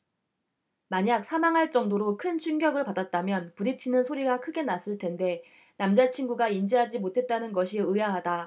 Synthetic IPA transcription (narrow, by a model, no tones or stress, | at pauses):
maɲak̚sʰamaŋɦaɭt͡ɕ͈ʌŋdoɾokʰɯnt͡ɕʰunɡjʌɡɯɭpadat̚t͈amjʌnpuɾit͡ɕʰinɯnsʰoɾiɡakʰɯɡe̞nas͈ɯɭtʰe̞nde̞ | namd͡ʑat͡ɕʰinɡuɡaind͡ʑiɦad͡ʑimotʰe̞t̚t͈anɯnɡʌɕʰiɯjaɦada